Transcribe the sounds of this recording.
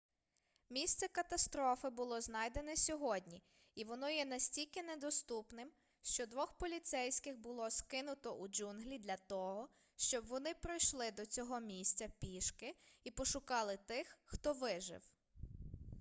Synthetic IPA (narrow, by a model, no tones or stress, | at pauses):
mʲisʲt̪sɛkɐt̪ɐst̪ɾɔfɪbʊlˠɔznɑjd̪e̞nɛsʲɔɦɔdʲnʲi | iʋɔnɔjɛnɐsʲtʲilʲkɪned̪ɔst̪upnɪm | ʃt͡ʃɔd̪ʋɔxpɔlʲit̪sɛjsʲkɪxbʊlˠɔskɪnʊt̪ɔʔud͡ʒunɦlʲid̪lʲɐt̪ɔɦɔ | ʃt͡ʃɔbʋɔnɪpɾɔjʃlˠɪd̪ɔt͡sʲɔɦɔmʲisʲt͡sʲɐpʲiʃkɪipɔʃʊkɑlˠɪt̪ɪxːt̪ɔʋɪʒɪ̰w